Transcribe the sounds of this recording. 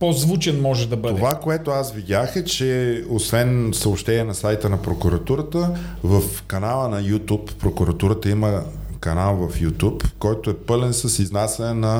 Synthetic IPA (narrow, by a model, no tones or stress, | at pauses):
pozvut͡ʃɛnmɔʒɛd̪ɐbətd̪oɛvakoɛt̪oasvid̪ʲaxɛt͡ʃɛosvɛnsɐopʃt̪ɛnʲiɛnɐsajt̪ənɐpɾokuɾɐt̪uɾət̪əvəfkɐnalˠənɐjut̪upːɾokʊɾɐt̪uɾət̪əiməkɐnalˠvɐfjut̪ʲupkɔjt̪oɛpɤlɛnsəsiznasɛnɛnɐ